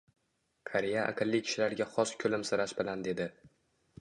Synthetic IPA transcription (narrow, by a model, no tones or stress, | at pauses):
kʰaɾejaʔa̰qɨlˠːikʲʰɪ̥ʃɪlaɾɡʲaχɒskʲʰɵlɪmsɪɾaʃbɪland̪e̞d̪ɪ